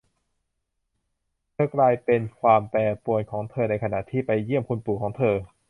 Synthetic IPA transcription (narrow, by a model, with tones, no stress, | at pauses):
t̪ʰɤː˧klaː˧jpe˧nkʰwaː˧mpɛː˧pu˧˩ənkʰɔː˩˦ŋt̪ʰɤː˧na˧jkʰa˧na̰˨˩ʔt̪ʰiː˥˩pa˧jːi˥˩əmkʰu˧npuː˨˩kʰɔː˩˦ŋt̪ʰɤː˧